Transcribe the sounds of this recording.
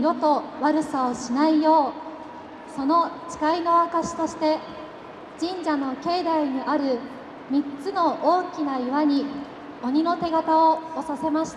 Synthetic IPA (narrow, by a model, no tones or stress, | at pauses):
ɾo̞t̪o̞βaɾɯ̟saoɕinaijo̞ː | so̞no̞t͡ɕi̥kaino̞akaɕi̥t̪o̞ɕi̥t̪e̞ | d͡ʑ̥ĩɲd͡ʑano̞ke̞ːd̪aiɲ̟iʔaɾɯ̟ | mʲitt͡sɨno̞ʔoːkʲinaiβaɲ̟i | o̞ɲ̟ino̞t̪e̞ɡat̪ao̞ːsase̞maɕi̥t̪a